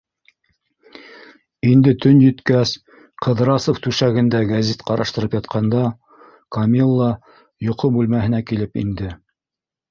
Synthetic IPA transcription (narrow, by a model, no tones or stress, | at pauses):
ind̪ɘt̪ɵnjɵ̆t̪kæs | qɤ̆ðɾɑsoft̪ʉʃæɡɘ̆nd̪æɡæzit̪qɑɾɑʃt̪ɤ̆ɾɤpjɑt̪̚qʰɑnd̪ɑ | kɐmʲilˠːɑ | jŏqomʉlmæɦɘ̆nækilɘpḭnd̪ɘ